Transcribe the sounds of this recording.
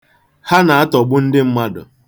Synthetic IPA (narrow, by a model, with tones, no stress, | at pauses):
ha˦na˨a˦tɔ˨ɡ͡bʊ˦n̩˦dɪ˦m̩˦ma˦dʊ̰˨